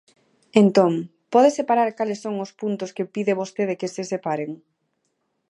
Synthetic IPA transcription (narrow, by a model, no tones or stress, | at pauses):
ent̪oŋ | pɔðesepaɾaɾkalɪsːoŋʊspunt̪ʊskepiðɪβost̪eðekɪsesepaɾeŋ